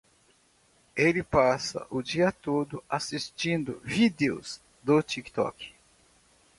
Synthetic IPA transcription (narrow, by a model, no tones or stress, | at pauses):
elɪpasɐ̰ʔʊd͡ʒiɐt̪od̪ʊasist͡ʃĩnd̪ʊ̰vid̪eo̰z | d̪ot͡ʃikt̪ɔ̰k